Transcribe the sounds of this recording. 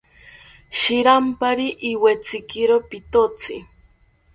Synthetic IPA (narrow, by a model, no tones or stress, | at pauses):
ʃɪɾampaɾiʔːwet͡sɪkɪɾopit̪ot͡sɪ